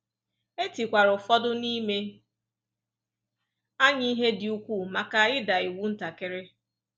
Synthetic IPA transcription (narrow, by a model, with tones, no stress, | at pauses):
e˦ti˨kʷa˨ɾʊ˨fɔ˦dʊ˦ni˦me˦ | a˦ɲi˦i˦ɦe˦dɪ˨u˦kʷu˦˨ma˨ka˨ɪ˦da˨i˨wu˦n̩˦ta˨ke˨ɾe˦